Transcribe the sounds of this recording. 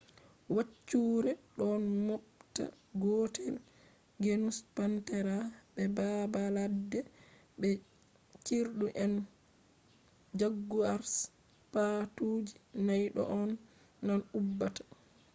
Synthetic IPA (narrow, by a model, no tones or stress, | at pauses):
wat͡ʃːuːɾɛɗɔnmɔpta̰ | ɡɔtʰɛl | ɡenuspantɛɾaɓɛbabaladːɛ | ɓɛ | t͡ʃiɾɗuʔɛn | d͡ʒaɡːuaɾs | patuːd͡ʒinajɗɔ̰ʔɔnː | anubːatḁ